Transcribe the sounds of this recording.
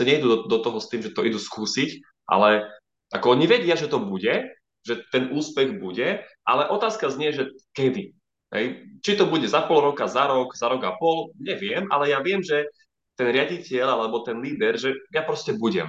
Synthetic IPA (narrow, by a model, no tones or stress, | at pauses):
aɲɛid̪uːd̪ɔt̪ɔɦɔst̪iːmʒɛt̪ɔʔid̪uskuːsic | ʔa̰lɛ | ʔakɔɔɲiʋɛɟɪaʒɛt̪ɔbuɟɛ | ʒɛt̪ɛnuːspɛɣbuɟɛʔa̰lɛʔɔt̪aːskazɲɪɛʒɛkɛd̪i | ɦɛ̰jt͡ʃit̪ɔbuɟɛzapɔlɾɔkazaɾɔkzaɾɔɡapɔlɲɛʋɪɛmʔa̰lɛjaʋɪɛmʒɛ | t̪ɛnɾɪaɟicɪɛʎalɛbɔt̪ɛnliːd̪ɛɾʒɛjapɾɔscɛbuɟɛ̰m